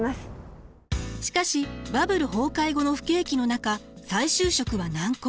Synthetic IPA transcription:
masɨ̥ | ɕi̥kaɕibabɯ̟ɾɯ̟ɦo̞ːkaiɡo̞no̞ɸɯ̟̥ke̞ːkʲino̞nakasaiɕɨːɕo̞kɯ̟βanãŋk

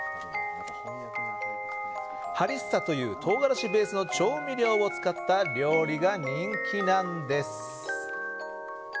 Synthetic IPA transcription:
haɾʲisɨ̥sat̪o̞jɯ̟ːt̪ʰo̞ːɡaɾaɕibe̞ːsɨno̞t͡ɕo̞ːmʲiɾʲo̞ːβot͡sɨ̥kat̪ːaɾʲo̞ːɾʲiɡaɲ̟ĩŋkʲinãnd̪e̞sɨ̥

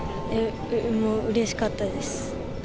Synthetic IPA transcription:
e | moːɯ̟ɾe̞ɕi̥kat̪ːad̪e̞sɨ̥

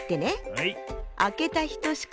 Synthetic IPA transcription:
t̪ːe̞ne | ake̞t̪açi̥t̪o̞ɕi̥k

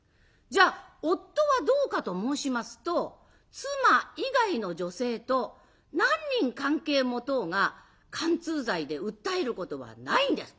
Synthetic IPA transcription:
d͡ʑaːo̞t̪ːo̞βad̪o̞ːkat̪o̞mo̞ːɕimasɨ̥t̪o̞ | t͡sɨmaiɡaino̞d͡ʑo̞se̞ːt̪o̞ | nãɲ̟ːĩŋkãŋke̞ːmo̞t̪o̞ŋa | kʰãnt͡sɨːzaid̪e̞ɯ̟t̪ːae̞ɾɯ̟ko̞t̪o̞βa̰naĩnd̪e̞sɨ̥

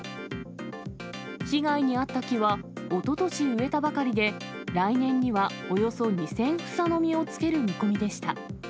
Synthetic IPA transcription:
çiɡaiɲ̟iat̪ːakʲiβao̞t̪o̞t̪o̞ɕiɯ̟e̞t̪abakaɾʲid̪e̞ | ɾainẽ̞ɲ̟ːiβaojo̞so̞ɲ̟isẽ̞ɰ̃ɸɯ̟̥sano̞mʲio̞t͡sɨ̥ke̞ɾɯ̟mʲiko̞mʲid̪e̞ɕi̥t̪a

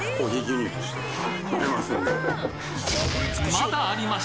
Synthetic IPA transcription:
oɡʲizɨmi̥ | emasɨ̃ne | mad̪aːɾʲima

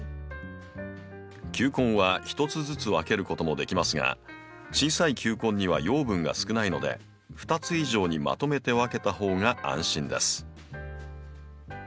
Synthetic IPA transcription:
kʲɨːkõ̞ɰ̃βaçi̥t̪o̞t͡sɨzɨt͡sɨβake̞ɾɯ̟ko̞t̪o̞mo̞d̪e̞kʲimasɨŋa̰ | t͡ɕiːsaikʲɨːkõ̞ɲ̟ːiβ̞a̰jo̞ːbɯ̟̃ŋɡa̰sɨ̥kɯ̟naino̞d̪e̞̰ | ɸɯ̟̥t̪at͡sɨiʑo̞ːɲ̟ima̰t̪o̞me̞t̪e̞βake̞t̪aho̞ːŋaʔã̰ɰ̃ɕĩnd̪e̞̰sɨ̥

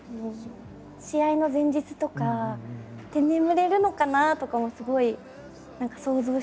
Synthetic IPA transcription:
ɯ | ɕiaino̞zẽ̞ɲ̟d͡ʑit͡sɨ̥t̪o̞ka | t̪ẽ̞nːẽ̞mɯ̟ɾe̞ɾɯ̟no̞kanat̪o̞kamosɨɡo̞i | nãŋkḁso̞ːzo̞ː

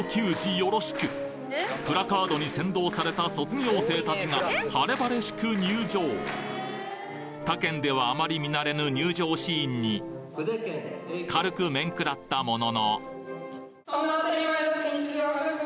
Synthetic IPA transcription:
kʲɨːʑijo̞ɾo̞ɕi̥kɯ̟ | pɯ̟ɾakaːd̪o̞ɲ̟isẽ̞nd̪o̞ːsaɾe̞t̪aso̞t͡sɨɲʲio̞ːse̞ːt̪at͡ɕiŋahaɾe̞baɾe̞ɕi̥kɯ̟ɲ̟ɨːd͡ʑo̞ː | t̪akẽ̞nd̪e̞β̞aːmaɾʲimʲinaɾe̞nɯ̟ɲ̟ɨːʑo̞ːɕiːɲ̟ːi | kaɾɯ̟kɯ̟mẽ̞ŋkɯ̟ɾat̪ːamo̞no̞no̰

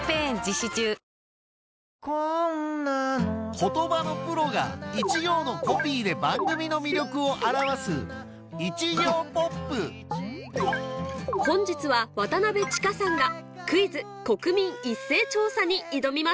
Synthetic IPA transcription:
pẽɲd͡ʑiɕit͡ɕɨː | konakʰo̞t̪o̞bano̞pɯ̟ɾo̞ɡa̰it͡ɕiɡʲo̞ːno̞ko̞pʲiːd̪e̞bãŋɡɯ̟mʲino̞mʲiɾʲo̞kɯ̟o̞ʔaɾaβasɨ̰ | it͡ɕiɡʲoːpopːɯ | hõ̞ɲ̟d͡ʑit͡sɨβaβat̪anabe̞t͡ɕi̥kasãŋɡa | kɯ̟izɨ | ko̞kɯ̟mʲĩɰisːe̞ːt͡ɕo̞ːsaɲ̟iid̪o̞mʲima

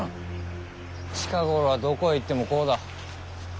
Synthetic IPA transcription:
t͡ɕi̥kaɡo̞ɾoβad̪o̞ko̞it̪ːe̞mo̞ko̞ːd̪a

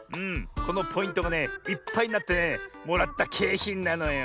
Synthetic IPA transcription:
ɯ̟̃ɴko̞nopʰo̞ĩnt̪o̞ɡane̞ipːaiɲnat̪ːe̞nemo̞ɾat̪ːakʰe̞ːçĩnːanojo

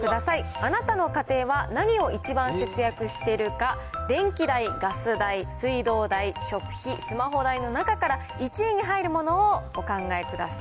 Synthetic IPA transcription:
kɯ̟d̪asaianat̪ano̞kat̪e̞ːβanaɲ̟io̞it͡ɕibãɰ̃se̞t͡sɨjakɯ̟ɕi̥t̪e̞ɾɯ̟ka | d̪ẽ̞ŋkʲid̪aiɡasɨd̪aisɨid̪o̞ːd̪aiɕo̞kɯ̟̥çisɨmaɦo̞d̪aino̞nakakaɾa | it͡ɕieɲ̟iɦaiɾɯ̟mo̞no̞ːɡ̥o̞kãŋɡae̞kɯ̟d̪asḁi

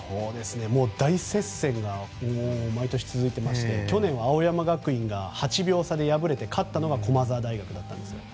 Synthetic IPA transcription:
so̞ːd̪e̞sɨne̞mo̞ːd̪aisẽ̞sẽ̞ŋɡaomait̪o̞ɕi̥t͡sɨzɨit̪e̞maɕi̥t̪e̞kʲo̞nẽ̞ɰ̃βaːo̞jamaɡakɯ̟ĩŋɡahat͡ɕibʲjo̞ːsad̪e̞jabɯ̟ɾe̞t̪e̞kʰat̪ːano̞ɡakʰo̞mazaːd̪aiɡakɯ̟d̪at̪ːãnd̪esɨjo̰

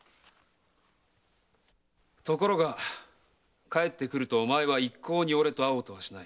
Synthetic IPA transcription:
t̪o̞ko̞ɾo̞ɡa | kae̞t̪ːe̞kɯ̟ɾɯ̟t̪o̞mae̞βaikʰːo̞ːɲ̟io̞ɾe̞t̪o̞aoːt̪o̞βaɕinai

